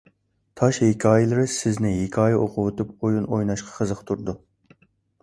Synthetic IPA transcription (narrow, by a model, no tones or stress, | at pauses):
t̪ʰɑʃhikʲʰɑːjɪlˠɨɾɪsɪznɪɦekʲʰɑːjɛʔoqʰʊwot̪up̚ojunojnɑʃqʰɑ̥qʰəzəqt̪ʰuɾd̪u